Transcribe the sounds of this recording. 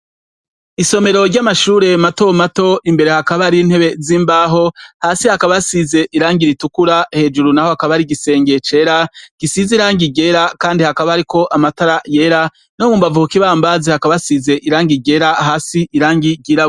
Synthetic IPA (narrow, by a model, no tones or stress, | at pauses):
iso̞me̞ɾo̞ɾɟamaʃuːɾe̞mato̞mato̞ʔimbe̞ɾe̞hakaβaɾin̥he̞βe̞ziːmbaːɦo̞haːsihakaβasize̞ʔiɾaːŋɡiɾitukuɾahe̞ːd͡ʒuɾunaho̞hakaβaɾiɡise̞ːŋɡe̞t͡ʃe̞ːɾaɡ̥isiziɾaːŋɡiɡe̞ɾakaːndihakaβaːɾiko̞ʔamataɾaje̞ɾa | no̞muːmbavuhukiβaːmbazehakaβasize̞ʔiɾaːŋɡiɡe̞ɾaɦaːsiʔːɾaːŋɡiɡiɾa